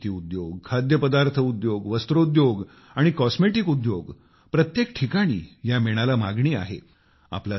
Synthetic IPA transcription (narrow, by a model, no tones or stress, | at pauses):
t̪iːud̪joɡkʰad̪jəpəd̪aɾt̪ʰəud̪joɡʋəst̪ɾoud̪joɡ | aɽ̃ikɔsmeʈikud̪joɡ | pɾət̪jekʈʰikaɽ̃ḭːjameɽ̃alamaɡɳiːa̰ɦḛ | a̰pla